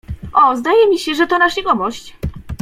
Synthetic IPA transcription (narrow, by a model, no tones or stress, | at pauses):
ʔɔzd̪ajɛmʲiɕɛʐɛt̪ɔnaʂʲiɡɔmɔɕt͡ɕ